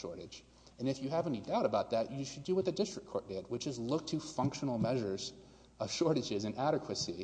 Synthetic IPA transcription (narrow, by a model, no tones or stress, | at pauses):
ʃɔ̰ɹɾɨ̥d͡ʒ | ɨ̃nɨfjɨhævɛ̃nidaʊɾɨbaʊt̪̚ðæt͡ʃɨʃɨdɨwɨðɨdɪstɹ̥ɨkʰɔɹt̚d̥et̚wɨt͡ʃɨzlʊk̚tʰɨfʌ̃ŋkʃn̩l̩ˠmɛʒə˞z̥ | ʌv̥ʃɔɹɾɨd͡ʒɪzɨ̃nʔæɾɨkʰwɨsi